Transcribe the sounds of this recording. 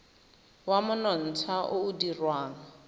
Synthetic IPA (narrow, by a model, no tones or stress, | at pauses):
wamʊnɔn̩t͡sʰaʔʊːdirwaːŋɔ